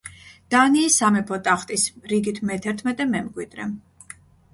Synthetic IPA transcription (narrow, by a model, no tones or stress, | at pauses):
d̪̥aniːsamɛpʰɔt̪ʼaχt̪ʼisɾiɡit̪ʰmɛt̪ʰɛɾt̪ʰmɛt̪ʼɛmɛmɡwid̪ɾɛ̰